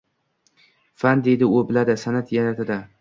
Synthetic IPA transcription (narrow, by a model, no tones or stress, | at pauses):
fand̪ejd̪ɪʊbɪlad̪ɪsanat̪jaɾat̪ʰɪd̪a